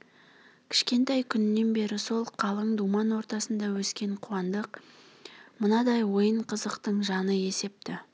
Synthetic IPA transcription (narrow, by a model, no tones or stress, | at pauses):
kʲʰɪ̥ʃkʲe̞nt̪ɑjkʲʰʏnːe̞nbe̞ɾɪso̞lˠqʰɑlˠəɴd̪umɑnwo̞ɾt̪ɑsənd̪ɑwɵskʲe̞ɴqʰuwɑnd̪əq | mənɑd̪ɑjwo̞jəɴqʰəzəqt̪əɴʒɑnəe̞se̞p̚t̪ɪ